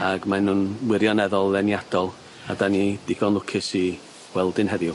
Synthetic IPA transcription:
aɡmanunwɪɾjɔnɛðɔlˠðɛnjad̥ɔlˠ | adanidɪɡɔnlˠʊkʰɪsi | wɛlˠdɪnɦɛðjʊ

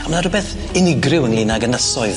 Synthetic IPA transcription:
amənarʊbɛθ | ɪnɪɡrɪwənlɪːnaɡənəsɔɨð

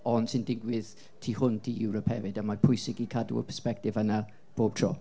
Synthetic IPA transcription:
ɔnsɪndɪɡwɪð̥ | tʰiːhʊntʰijuːɹəpʰɛ̰vɪdəmapʰʊjsɪɡikʰadṵə̰lˠpʰəspɛk̚tɪvənə | b̥oːb̚tʰrɔ̰

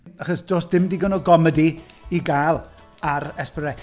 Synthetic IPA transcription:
aχɔsdoːsd̥ɪmdiːɡənɔɡɔmədiiɡaːlˠ | aɾɛspɾɛ

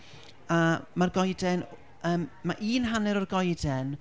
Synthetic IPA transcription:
amarɡɔjdɛn | əːmːaʔiːnɦanɛɾɔrɡɔjdɛn

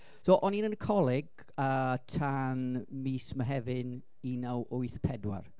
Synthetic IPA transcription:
soːʔɔninənkʰɔlˠɪɡ | ətʰanmiːsmaɦɛvɪn | inawʔʊɨθpʰɛdwa̰r

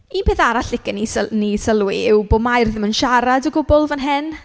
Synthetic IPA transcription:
iːnpʰeːθaɾaɬɪkənisənisəlˠwiɪwbʊmajrðmənʃaɾadəɡʊbɔlˠvənɦɪn

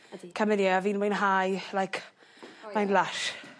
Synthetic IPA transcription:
kʰəmɪnjiaviːnwɛjnɦajlajkʰ | majnlaʃ

